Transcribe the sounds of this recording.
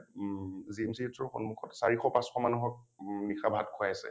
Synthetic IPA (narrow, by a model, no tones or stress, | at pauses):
zimsitʰɔɹxɔnmukʰɔtsa̰ɹixɔpasxɔmanuɦɔk̚nixabʱa̰tkʰʊajasɛ̰